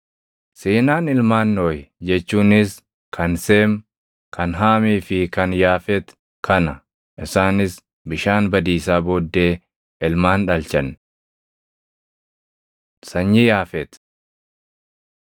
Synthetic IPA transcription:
siːnaːnɪlmaːnːoːjd͡ʒɛt͡ʃːuːnɪs | kʰɐnse̞ːm | kʰɐnɦaːmiːfɪkɐnjaːfɛt̪ | kʰɐnɐ | ʔɪsaːnɪs | bɪʃaːnbɐd̪iːsaːboːd̪ːe̞ː | ɪlmaːnᶑɐlt͡ʃɐn | sɐɲːijaːfɛt̪

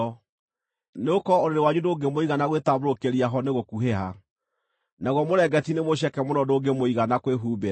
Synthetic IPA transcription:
ɔ | neokɔoɾeɾewaɲudoɡemoiɣanaɣwetaβoɾokeɾiaɦɔneɣokuɦeɦa | naɣwɔmoɾɛɡɛtinemoɕ̬ɛkɛmonɔdoɡemoiɣanakweɦuːbe

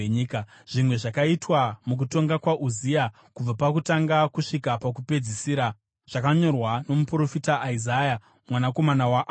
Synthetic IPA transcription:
ɲiːkaʐ̥imwe̞ʐakaitwamuk̬uto̞ŋɡakwaʔuzija | kub͡vapakutaŋɡakuʂikapakupe̞d͡zisiːɾa | ʐ̥akaɲo̞rwano̞mupuro̞fitaːizaja | mwanako̞manawaʔ

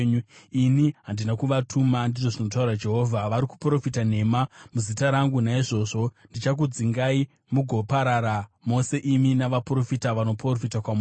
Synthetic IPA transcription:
iniɦandinakuʋatʰumandiʐo̞ʐino̞t̬aurad͡ʒe̞ɦo̞ːvʱaʋaɾiku̥pro̞fitane̞mamuzitaɾaŋɡunaiʐo̞ːʐo̞ndit͡ʃak̬ud͡ziŋɡai | muɡʱo̞paɾaɾamo̞se̞ʔiminaʋapro̞fitaʋano̞profitakwamu

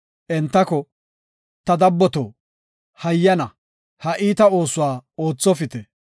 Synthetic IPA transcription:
ʔɛnt̪ːɐkɔ | t̪ɐd̪ɐbːɔt̪oː | hɐjːɐnɐ | hɐʔiːt̪ɐo̞ːsʊwaːo̞ːt͡sːɔfɪt̪ɛ

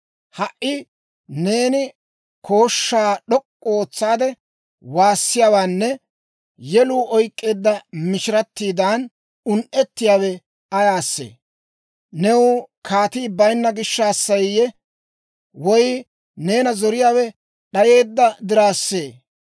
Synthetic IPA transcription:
hɐʔɪ | ne̞ːnɪ | kʰo̞ːʃːaːɗɔkʼːoːt͡sːaːd̪ɛ | waːsːɪjaːwaːnːɛ | jɛluːʔɔjkʼːe̞ːd̪ːɐmɪʃɪɾɐt̪ːiːd̪aːn | ʊnʔɛt̪ːɪjaːwɛ | ɐjaːsːḛː | nɛwʊkʰaːt̪iːbɐjnːɐɡɪʃːɐːsːɐjjɛ | wɔj | ne̞ːnɐzɔɾɪjaːwɛ | ɗɐje̞ːd̪ːɐd̪ɪɾaːsːe̞ː

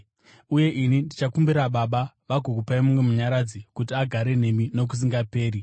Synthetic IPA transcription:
uje̞ʔinindit͡ʃakumbiɾaɓaɓa | ʋaɡʱok̬upaimumwe̞muɲaɾad͡zikutiaɡʱaɾe̞n̤e̞mino̞k̬us̬iŋɡape̞ːɾi

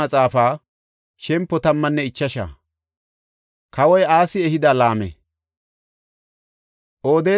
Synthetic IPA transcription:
ɐt͡sʼaːfaː | ʃɛmpːɔt̪ɐmːɐnːɛɪt͡ʃːɐʃa̰ː | kɐwɔjaːsɪɛhɪd̪aːlaːmɛ̰ | ʔoːd̪e̞ː

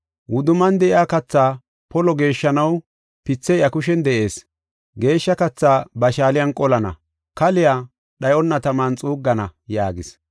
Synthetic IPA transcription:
wʊd̪ʊmɐnd̪ɛʔɪaːkɐt͡sːaː | pɔlɔɡe̞ːʃːɐnɐw | pɪt͡sːɛjɐkʊʃɛnd̪ɛʔe̞ːs | ɡe̞ːʃːɐkɐt͡sːaːbɐʃaːlɪjɐnkʼɔlɐnɐ̰ | kɐlɪjaː | ɗɐjɔnːɐt̪ɐmaːnt͡sʼuːɡːɐnɐjaːɡɪs

